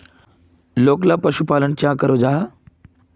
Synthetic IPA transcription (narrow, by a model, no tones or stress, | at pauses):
loklapəɕupaləɳt͡ɕjãkəɾod͡zaɦ